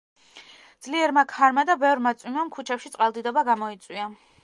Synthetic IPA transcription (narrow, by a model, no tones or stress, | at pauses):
d̪z̥liɛɾmakʰaɾmad̪abɛvɾmat̪sʼwimamkʰut͡ʃʰɛpʃit̪sʼalˠd̪id̪ɔbaɡamɔit̪sʼwia